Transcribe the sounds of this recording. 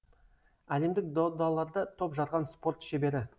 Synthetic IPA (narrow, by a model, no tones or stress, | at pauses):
æle̞md̪ɪk̚d̪od̪ɑlˠɑɾd̪ət̪ʰo̞pʒɑɾʁɑnspo̞ɾt̪ʃe̞be̞ɾɪ